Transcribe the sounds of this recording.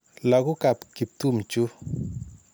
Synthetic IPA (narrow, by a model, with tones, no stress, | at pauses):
la˨ɡu˦ka˨pki˨p̚t̪u˦˨mt͡ʃu˦